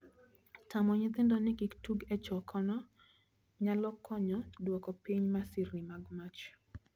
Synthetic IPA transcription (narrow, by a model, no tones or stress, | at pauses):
tamɔɲɪt̪ɪndɔnɪkiktuɡɛt͡ʃɔkʰɔnɔ | ɲalɔkʰːɔɲɔdwɔkɔpiɲmasiɾimaɡmat͡ʃ